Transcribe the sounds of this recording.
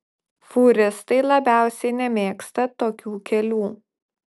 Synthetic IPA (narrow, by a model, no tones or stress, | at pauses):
fuːɾʲɪst̪ɐɪlˠɐbʲæˑʊsʲɛɪnʲɛmʲeːkst̪ɐt̪oːkʲuːkʲɛlʲuː